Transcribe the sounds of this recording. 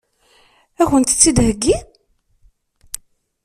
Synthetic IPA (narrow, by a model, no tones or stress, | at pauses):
æçənt̪t͡sːid̪həɡːi